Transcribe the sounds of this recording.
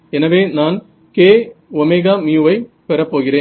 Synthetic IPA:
ɛnɐʋeːnaːn | keːɔmeɣaːmjuʋɐɪpɛɾɐpːoːɣɪɾeː

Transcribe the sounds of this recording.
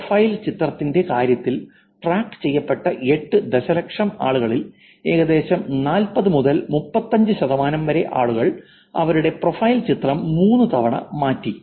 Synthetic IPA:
fɐjlt͡ɕit̪rɐt̪ːinde̞kaːɾjɐt̪ːil | ʈraːkt͡ɕe̞jːɐpːe̞ʈːɐʔe̞ʈːɨd̪eɕɐlɐkʂɐmaːɭuɣɐɭil | e̞ːɣɐðe̞ːɕɐmnaːlpɐðɨmuðɐlmupːɐt̪ːɐɲd͡ʑɨɕɐðɐmaːnɐmʋɐɾeʔa̰ːɭuɣɐɭ | ɐ̰ʋɐɾuɽe̞pro̞fɐjlt͡ɕit̪rɐmːuːnːut̪ʰɐʋɐɳɐ̰maːtːi

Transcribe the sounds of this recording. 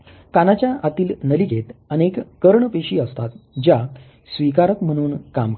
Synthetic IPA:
kanat͡ɕjaʔat̪iːlnəliɡʱet̪ənekkəɾɳəpeɕiːəst̪at̪̚d͡ʑa | sʋikaɾəkm̤əɽ̃uːnkamk

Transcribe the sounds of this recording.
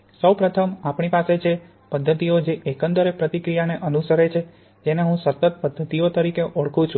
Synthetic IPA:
səwpɾət̪ʰəmapɳipaset͡ʃʰe | pəd̪ʱːət̪iod͡ʒeʔekənd̪əɾepɾət̪ikɾijaneʔənusəɾet͡ʃʰe | d͡ʒeneɦũsət̪ːət̪̚pəd̪ʱːət̪iot̪əɾikeʔoɭkʰũt͡ʃʰũ

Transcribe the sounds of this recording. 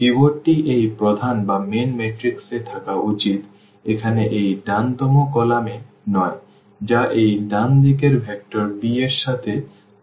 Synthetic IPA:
iboʈiʔejpɾod̪ʱanbamenmeʈɾikset̪ʰakaʔut͡ɕit̪ | ekʰaneʔejɖant̪ɔmokɔlame | nɔe | d͡ʑaʔejɖand̪ikeɾbʱɛk̚ʈoɾbieɾʃat̪ʰe

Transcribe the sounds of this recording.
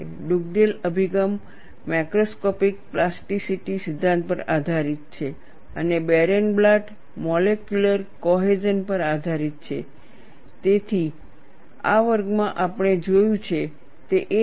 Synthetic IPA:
ɖuɡ̚ɖeləbʱiɡəmː | akɾoskɔpik̚plasʈisiʈisɪd̪ʱːãnt̪̚pəɾad̪ʱaɾit̪̚t͡ʃʰe | ənebɛɾenblaʈ | mɔlekjuləɾkɔɦed͡ʒənpəɾad̪ʱaɾit̪̚t͡ʃʰe | t̪et̪ʰi | a̰ʋəɾɡmãʔapəɳ̃ed͡ʒojũt͡ʃʰe | t̪eʔe

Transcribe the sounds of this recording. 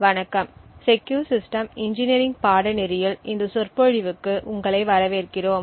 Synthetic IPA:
ʋɐnɐkːɐmsɛkːjuːɾsɪsʈɐmɪɲd͡ʒɪnɪɾɪŋɡpaːɽɐnɪɾɪjɪlɪnd̪ɐsɔrpɔɻɪʋɯkːɯʔʊŋɡɐɭɐɪʋɐɾɐʋeːɾkɪroːm

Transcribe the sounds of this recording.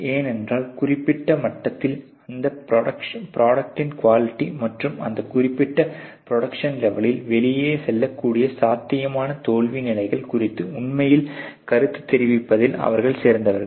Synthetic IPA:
eːnɛndraːlkʊrɪpːɪʈːɐmɐʈːɐt̪ːɪl | ɐnd̪ɐpɾɐɽɐkʂɐpɾaːɽɐk̚ʈɪnkʋaːlɪʈːimɐʈrɯmɐ̰nd̪ɐkʊrɪpːɪʈːɐpɾɔɽɐkʂɐnlɛʋɐlɪlʋɛɭɪjeːsɛlːɐkːuːɽɪjɐsaːt̪ːɪjɐmaːnɐt̪oːɭʋinɪlɐɪɣɐɭkʊrɪt̪ːɯʊɳmɐjɪlkɐɾɯt̪ːɯ̥t̪ːɛɾɪʋɪpːɐðɪlɐ̰ʋɐɾɣɐɭseːɾnd̪ɐʋɐɾɣɐɭ

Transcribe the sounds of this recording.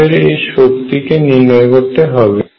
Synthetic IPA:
eɾejʃokt̪ikeniɾnɔekoɾt̪eɦɔbe

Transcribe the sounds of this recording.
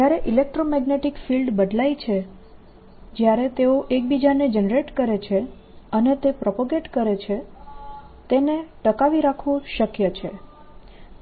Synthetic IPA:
d͡ʒjaɾeʔilek̚ʈɾomɛɡneʈikfilɖbəd̪lajt͡ʃʰe | d͡ʒjaɾet̪eoʔek̚bid͡ʒaned͡ʒənɾeʈkəɾet͡ʃʰe | ənet̪epɾɔpaɡeʈkəɾet͡ʃʰe | t̪eneʈəkaʋiɾakʰʋõʃəkjət͡ʃʰe

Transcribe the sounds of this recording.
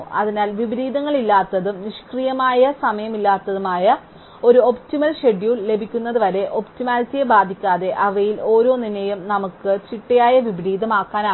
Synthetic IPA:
ɐ̰ðinaːlʋibiɾiːd̪ɐŋːɐɭilːaːt̪ːɐðumniʂkrijɐmaːjɐsɐmɐjɐmilːaːt̪ːɐðumaːjɐ | o̞ɾuo̞ptimɐlɕe̞ɖijule̞bʱikʲːunːɐðɨʋɐɾe̞ʔo̞ptimaːlsijebaːd̪ʱikʲːaːðe̞ʔɐʋɐjilo̞ːɾo̞ːninɐjumnɐmukːɨt͡ɕiʈːɐjaːjɐʋibiɾiːd̪ɐmaːkːaːnaː

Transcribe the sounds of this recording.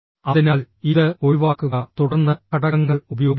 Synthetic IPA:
ɐðinaːl | iðɨoɻiʋaːkːuɣɐt̪uɽɐrnːɐkɐɽɐŋːɐɭubɐjo̞ːɡ

